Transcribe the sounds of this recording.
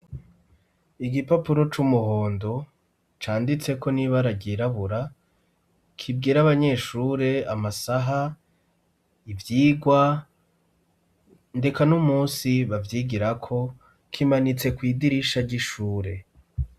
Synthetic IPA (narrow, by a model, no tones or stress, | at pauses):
iɡipapuɾo̞t͡ʃumuho̞ːndo̞ | t͡ʃaːndit͡se̞ko̞niβaɾaɟiɾaβuɾa | kʰibɡiːɾaβaɲe̞ʃuːɾe̞amasaɦa | ivjiːɡwa | nde̞kanumuːsiβavjiːɡiɾakʰo̞ | kʰimanit͡se̞kwiːdiɾiʃaɾɟiʃuːɾe̞